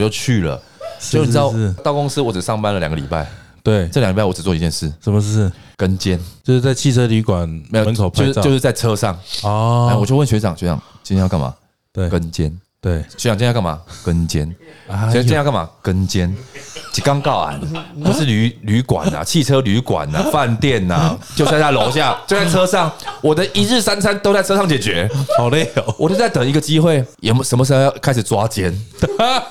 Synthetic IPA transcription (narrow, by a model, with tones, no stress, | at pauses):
t͡ɕjo˥˧ʊt͡ɕʰy˥˩lə̰˩˥˨ | t̪ɑ˥˨ʊkʊ˥˦ŋsɨ˥wɔ˧˦t͡s̩˨˩sɑ˥˩˨ŋpa˦nlə˨lja̰˨ŋɡə˦lḭ˨˩pa̰˥˩ɪ | t̪we˥˩ɪt͡sɤ˥˩˨jŋ˧˨˩pa˥˩˨wɔ˦ʈ͡ʂ̩˨˩t͡sɔ˧˨i˧t͡ɕjɛ˥˧nʂɻ̩˥˩ʂə˨˩˦mə˧˥˧kə˦nt͡ɕjɛ˦˥nt͡ɕo˥˧ʊ˥˩t͡sa˥˧ɪt͡ɕʰi˥˨t͡sʰɤ˦ly˧˥kwa˨˩nm˧˦˥jo˨mə˧˦nkʰo˨pt͡ɕo˥˧ʂ̩˥o˥˧ʊʂɻ̩˥˧t͡sa˥ɪt͡sʰɤ˦ʂɑ˥˨ŋɔ˧a˥˨wɔ˨˩jo˥˧ʊwə˨nɕɥe˧˥ʈ͡ʂɑ̰˨˩ŋɕɥɛ˧˥ʈ͡ʂɑ̰˨˩ŋt͡ɕi˥˦jka˥˩nma̰˨˩ | t̪we˥˩kə˦nt͡ɕjɛ˦˥nt̪we˥˩ɪɕɛ˧˥˨ŋt͡ɕjn˥˧ka˥˩ma̰˨˩kə˦nt͡ɕjɛ˦˥n˧˥˦ | jka˥˩ma̰˨˩kə˦nt͡ɕɛ˦nt͡ɕʰi˨˩kɑ˦ŋkɑ˥˩ʊa̰˨˩npu˨˥ʂɻ̩˥˩ly˧˦ly˧˥˦kwa̰˨˩na̰˨˩t͡ɕʰi˥˩t͡sʰɤ˦ly˧˦kwa̰˨˩na̰˨fa˥˨nt̪jɛ˥˨na̰˩t͡ɕjo˥˧ʊɕja˥˩lo˧˦ʊɕ̬ja˥˩t͡ɕjo˥˧ʊt͡sa˩ʈ͡ʂʰɤ˦˥ʂɑ˥˨˩ŋwɔ˨d̪ə˦ʔi˨˥ɻ̩˥˨sa˥˦nsʰa˦nt̪o˥ʊt͡sa˥ɪt͡sʰɤ˥˦ʂɑ˥˨ŋt͡ɕjɛ˨˩t͡ɕɥɛ˨˦ɑ˨˩ʊle˥˨˩wɔ˨t͡ɕo˥˧ʊt͡sa˥˩ɪt̪ə˨˩ŋi˧˥ɡə˨t͡ɕi˦xwe˥˩ɪjɛ˨˩ʂə˨˧nmə˧ʂ̬ɻ̩˧˥xo˧˦ja˥˧˩kʰa˥ɪʂ̬̩˨˩t͡swa˦˥t͡ɕjɛ˦˥n